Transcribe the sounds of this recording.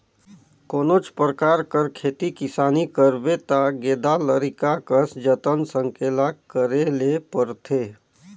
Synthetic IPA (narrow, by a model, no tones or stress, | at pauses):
koːnot͡ʃpɾəkaːɾkəɾkʰeːt̪ikɪsaːnikəɾbet̪aɡeːd̪aləɾikakəsd͡ʒət̪ənsəŋkʰelakəɾelepəɾt̪ʰeː